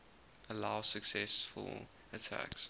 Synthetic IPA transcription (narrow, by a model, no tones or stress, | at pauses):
əlaʊsəksɛsfə̰lˠ | ətʰæ̰ks